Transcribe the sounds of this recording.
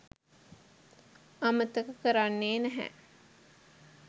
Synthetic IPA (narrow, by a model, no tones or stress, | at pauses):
amət̪əkəkəɾanːeːnæɦæ̰